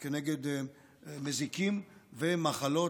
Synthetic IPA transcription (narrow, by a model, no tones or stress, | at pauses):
keneɡed̪ | mezikimvemaχalo̞